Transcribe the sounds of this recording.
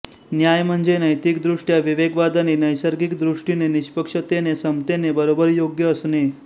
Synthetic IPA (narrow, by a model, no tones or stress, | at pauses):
njajm̤əɳd͡zenəjt̪ikd̪ɾuʂʈjaʋiʋeɡʋad̪anenəjsəɾɡikd̪ɾuʂʈineniɕpəkʂət̪enesəmt̪enebəɾobəɾjoɡjəːsne